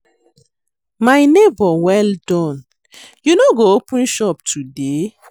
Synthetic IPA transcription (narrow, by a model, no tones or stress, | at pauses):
majnebɔwɛldɔ̃n | junoɡoopũnʃɔptʰude